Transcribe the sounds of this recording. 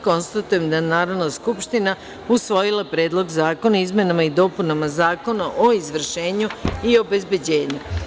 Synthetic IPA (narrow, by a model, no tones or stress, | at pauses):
ko̞nst̪at̪uje̞md̪aenaːɾanaskupʃt̪ina | usʋo̞jilˠapɾe̞ːd̪lˠo̞ɡzaːko̞naizme̞namaid̪o̞ːpunamazaːko̞naʔoizʋr̩ʃe̞ːɲuio̞be̞zbe̞d͡ʑe̞ːɲu